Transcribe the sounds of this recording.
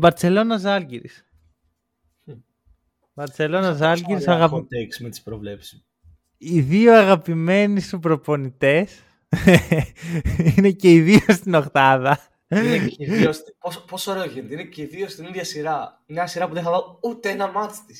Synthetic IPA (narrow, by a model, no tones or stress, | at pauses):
bɐɾt͡se̞lo̞nɐzɐlɟiɾḭs | bɐɾt͡se̞lo̞nɐzɐlɡiɾisɐɣɐpt̪eksimet̪ispɾovle̞psi̥ | iðioɐɣɐpime̞nisupɾo̞po̞nit̪e̞s | ine̞ce̞iðiost̪ino̞xtɐðɐ | niospospo̞soɾe̞oʝent̪eineceiðiost̪iniðʝɐsiɾɐineɲɐsiɾɐpuðenixɐvɐut̪eenɐmɐt̪i̥st̪is